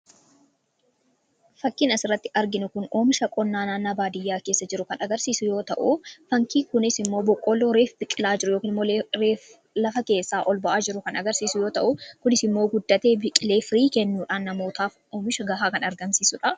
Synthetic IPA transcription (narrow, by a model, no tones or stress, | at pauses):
fɐkːɪnɐsɪrːɐt̪ːɪʔɐɾɡɪnʊkʊno̞ːmɪʃɐkʼɔnːaːnaːnɐbaːd̪ɪjːaːke̞ːsːɐd͡ʒɪɾʊkɐnʔɐɡɐɾsiːsʊjo̞ːt̪ɐ̰ʔʊfɐŋkiːkʊnɪsɪmːoːbɔkʼːɔlːoːɾeːfbɪkʼɪlaːd͡ʒɪɾʊjokiːnɪmːoːɾeː | lɐfɐke̞ːsːaːʔɔlbɐʔaːd͡ʒɪɾʊkɐnʔɐɡɐɾsiːsʊjo̞ːt̪ɐʔʊkʊnɪsɪmːoːɡʊd̪ːɐt̪e̞ːbɪkʼːɪle̞ːfɾiːkɛnːuːᶑaːnːɐmo̞ːt̪aːf | oːmɪʃɐɡɐɦaːkɐnɐɾɡɐmsiːsʊᶑɐ